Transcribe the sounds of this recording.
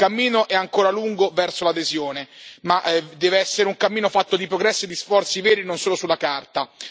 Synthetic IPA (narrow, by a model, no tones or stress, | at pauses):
kamːiːnoʔɛaŋkoːɾaluŋɡovɛrsolad̪ezjoːnemaʔd̪ɛːveɛsːeɾeuŋkamːiːnofat̪ːod̪ipɾoɡɾɛsːid̪isfɔrt̪sivɛːɾinonsoːlosulːakart̪a